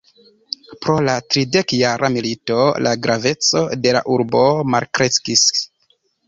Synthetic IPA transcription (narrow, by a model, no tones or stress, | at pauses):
pɾo̞latɾide̞kjaɾʔamilito̞lʔa̰ɡɾʔave̞t͡so̞̰de̞la̰ʔuɾbo̞malkɾe̞skis